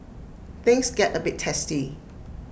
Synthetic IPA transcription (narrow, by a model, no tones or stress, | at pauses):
θɪ̃ŋsɡɛtəbɪtʰːɛsti